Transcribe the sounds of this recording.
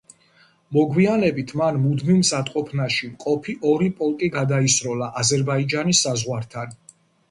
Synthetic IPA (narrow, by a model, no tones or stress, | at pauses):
mɔɡwianɛbit̪ʰmanmud̪mimsat̪ʼqʼɔpʰnaʃimqʼɔpʰiʔɔɾipʼɔlˠkʼiɡad̪aisɾɔlˠaʔazɛɾbaid͡ʒanisːazʁwaɾt̪ʰan